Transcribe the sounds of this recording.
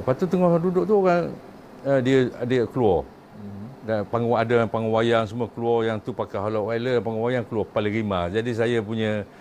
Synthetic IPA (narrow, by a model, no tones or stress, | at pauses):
pat̪ut̪əŋɔhadudʊʔt̪ukan | ədiəadəkəluɔr | dapaŋɡɔŋadapaŋɔwajaŋs̬əmuakəluɔrjaŋt̪upakaɦolawailəpaŋɡɔwajaŋkəluɔpaliɣimad͡ʒadis̬ajap̬uɲə̃